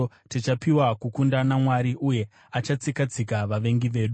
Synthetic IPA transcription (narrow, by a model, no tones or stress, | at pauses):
tet͡ʃapiwakukundanamwaɾiʔuje̞ | at͡ʃat͡sikad͡zikaʋaʋe̞ŋɡiʋe̞ːɗu